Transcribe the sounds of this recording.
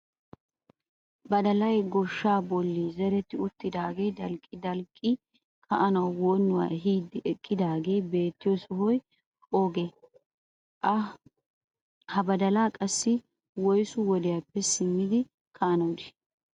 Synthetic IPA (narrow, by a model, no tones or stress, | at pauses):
bɐd̪ɐlɐjɡɔʃːaːbɔlːizɛɾɛt̪ːɪʊt̪ːɪd̪aːɡejd̪ɐlkʼːɪd̪ɐlkʼːɪ | kʰɐʔɐnɐwwoːnːʊwa̰ːɦiːd̪ːɪʔɛkʼːɪd̪aːɡe̞jbe̞ːt̪ːɪjɔsʊɦɔjʼ | oːɡe | ʔɐ | hɐbɐd̪ɐlaːkʼɐsːɪ | wɔjsʊwɔd̪ɪjapːɛsɪmːɪd̪ɪ | kʰɐʔɐnɐwd̪ɪ